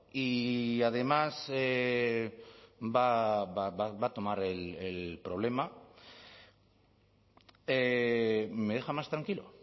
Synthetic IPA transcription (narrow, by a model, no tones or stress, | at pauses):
iað̞e̞mase | babaaβat̪o̞maɾelelpɾo̞β̞le̞ma | e | me̞ðe̞xamast̪ɾaŋkilo̞̰